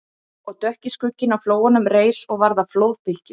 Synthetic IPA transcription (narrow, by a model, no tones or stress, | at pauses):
ɔɣt̪œhcɪskʏcːɪnawfloːwanʏmreːjsɔɣvaɾðaflowðpɪl̥cɪ